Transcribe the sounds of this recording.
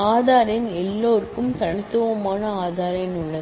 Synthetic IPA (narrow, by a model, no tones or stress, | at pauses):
aːðaːɾɪnɛlːoːɾkɯmt̪ɐɳɪt̪ːɯʋɐmaːnɐaːðaːɾɐɪnʊɭːɐð